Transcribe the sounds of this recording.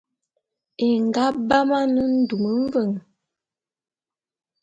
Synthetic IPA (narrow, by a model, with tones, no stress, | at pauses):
e˨ŋ˨ɡa˦ba˦ma˦nə˦n̩˦du˨mə˨˦m˦və˦˨ŋ